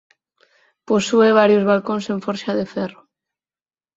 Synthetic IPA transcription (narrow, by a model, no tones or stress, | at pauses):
posueβ̞aɾjʊzβalkõnseɱfɔɾʃaðefɛro